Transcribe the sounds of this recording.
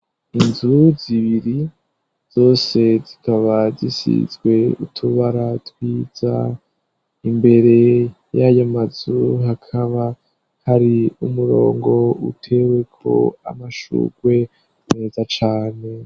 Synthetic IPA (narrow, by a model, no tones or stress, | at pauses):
inzuziβiɾi | z̥o̞ːse̞zikaβazisḭzɡwe̞ṵtʰuβaɾatwiːza̰ | imbe̞ɾe̞ | jajamazuɦakʰaβa | haɾiumuɾo̞̰ːŋɡo̞ṵtʰe̞we̞kʰo̞̰a̰maʃṵɡ̥we̞ | ne̞zat͡ʃaːne̞